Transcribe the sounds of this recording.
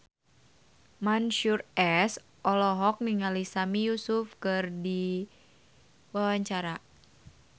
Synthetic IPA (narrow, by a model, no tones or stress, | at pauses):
manʃurɛs | ʔɔlɔɦɔk̚niŋalisamijusufkɨrdi | wawaɲt͡ʃaɾa